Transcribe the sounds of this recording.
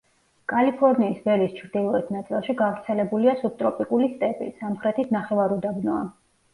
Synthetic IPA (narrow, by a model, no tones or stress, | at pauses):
kʼalipʰɔɾniːsvɛlist͡ʃʰɾd̪ilˠɔɛt̪ʰnat̪sʼilˠʃiɡavɾt̪sʰɛlɛbuliasub̚t̪ʼɾɔpʼikʼulist̪ʼɛpʼḭsamχɾɛt̪ʰisʰnaχɛvaɾɔd̪abnɔa̰